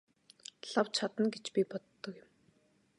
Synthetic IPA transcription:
ɬawt͡ɕʰat̪ə̆nɡet͡ɕpʲipɔt̪ːɞ̆kjɪ̆m

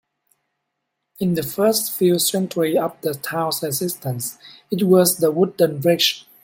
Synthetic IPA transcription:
ɪ̃nðəfɜstfilsɛ̃ntʰwiap̚d̪ətʰãʊsəsɪstʰə̃ns | ɪt̚wɔzðəwʊdə̃nɹɛʃə̃n

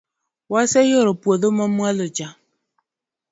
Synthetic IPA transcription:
wasejoɾopuoðomɔmalod͡ʒa

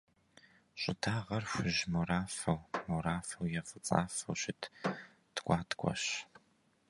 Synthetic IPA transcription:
ɕʷʼɪtʰaːʁɐrɕʷʊʒmoɾaːfɐwmoɾaːfɐwjɛfɨt͡sʼa̰ːfɐ̰wɕɪtʰ | tkʷʼɑːtʰkʷʰʼɔ̰ɕ

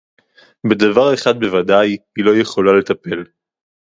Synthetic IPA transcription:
bed̪avaʁe̞χad̪̚be̞vad̪ajhilo̞je̞χo̞lale̞t̪ape̞l

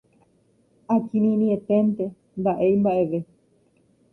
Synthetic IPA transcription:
akĩnĩnĩet̪ent̪e | mbaʔe̞jmbaʔe̞ʋe

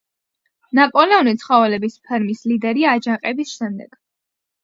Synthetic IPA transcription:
napʼɔlɛɔnit̪sʰχavɛlɛbispʰɛɾmislid̪ɛɾiaːd͡ʒaqʼɛbisʃɛmd̪ɛɡ̥

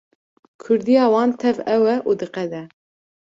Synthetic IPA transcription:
kʰʊɾd̪ijɑːwɑːnt̪ʰɛvɛwɛʔuːd̪ɨqɛd̪ɛ

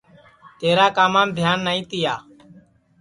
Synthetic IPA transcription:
t̪eːɾaːkaːmãːmd̪ʱjaːnːaːĩːt̪ɪjaː

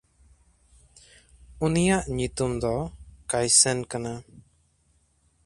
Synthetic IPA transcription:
unijaʔɲut̪umd̪ɔkajsɛnkana

